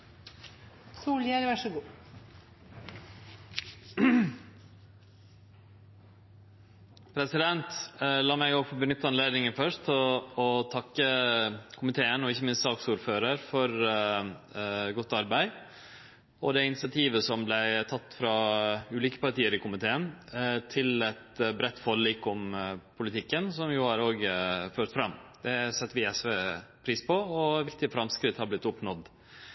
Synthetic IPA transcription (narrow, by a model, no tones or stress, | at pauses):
suːljæɾɑʂəɡuː | pʰɾɛsɪd̪ɛnt̪lɑːmæɪɡopʰɔbənʏt̪ːəɑnleːd̪nɪŋənfœʂʰɔt̪ʰɑkːəkʰʊmɪt̪ʰeːənɔɪçːəmɪnssɑːksuːɾføːɾəɾfɔɾ | ɡɔt̪ːɑɾbæɪ | ɔd̪ɛɪnɪsɪɑt̪ʰiːʋəsɔmblæɪt̪ʰɑt̪ːfɾɑʉːliːkə̥pɑɾʈ̪iːəɾɪkʊmɪt̪ʰeːənt̪ʰɪlɛt̪bɾɛt̪ːfɔlliːkʊmpʰʊlɪt̪ʰɪkːənsɔmjʊːhɑɾoːɡføːʈ̪fɾɑmːd̪̥ɛsɛt̪ːəʋɪɛsʋeːpʰɾiːspɔɔʋɪk̚t̪ɪəfɾɑmskɾɪt̪hɑɾblɪt̪ːʊpnɔd̪